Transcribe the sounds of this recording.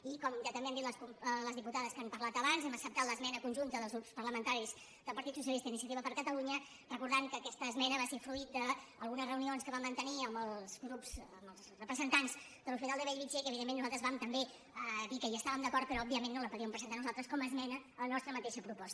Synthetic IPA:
ikɔmʒat̪əmbeənd̪it̪ləskuələzðiput̪aðəskampəɾlat̪əβanzɛməksəpt̪at̪ləzmɛnəkunʲʒunt̪əðəlzɣɾupspəɾləmənt̪aɾiz | d̪əlˠpəɾt̪it̪sus̬jəlist̪əinisiət̪iβəpəɾkət̪əluɲə | rəkuɾðaŋkəːkɛst̪əːzmɛnəβaseɾfluit̪̚d̪əəlˠɣunəzrəunionskəβamːənt̪əniəmbəlˠzɡɾupz̥əməlˠzrəpɾəzənt̪anz | d̪əlufinalˠd̪əβɛʎβid͡ʒekəβiðenmːenːualt̪ɾəzβamt̪əmbe | əðikəjaəst̪aβəmnd̪əkɔɾt̪̚pəɾɔɔbiəmẽnːoləpuðiəmpɾəzənt̪anuzalˠt̪ɾəskɔməzmɛnələnɔst̪ɾəmət̪eʃəpɾupɔst̪ə̥

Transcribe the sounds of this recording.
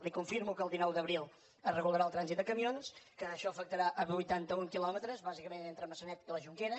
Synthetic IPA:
likuɱfiɾmukəlˠd̪inɔwd̪əβɾilˠ | ərəɣulˠəɾaːlˠt̪ɾanzit̪d̪əkəmionskəːʃɔəfək̚t̪əɾaʔəβujt̪ant̪əuŋkilɔmət̪ɾəzβazikəmenent̪ɾəlməsənɛt̪iləʒuŋkeɾə

